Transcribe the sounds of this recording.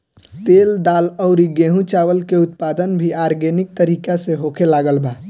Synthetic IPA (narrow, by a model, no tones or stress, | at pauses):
t̪eːld̪aːlɔʊɾiɡeɦũt͡ʃaːʋəlkeʊt̪paːd̪ənbʱiaːɾɡenɪk̚t̪əɾiːkaseɦokʰelaːɡəlba